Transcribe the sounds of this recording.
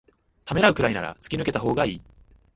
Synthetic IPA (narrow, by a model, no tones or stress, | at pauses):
t̪ame̞ɾaɯ̟kɯ̟ɾaina̰ɾa̰t͡sɨ̥kʲinɯ̟ke̞t̪aɦo̞ːɡaiː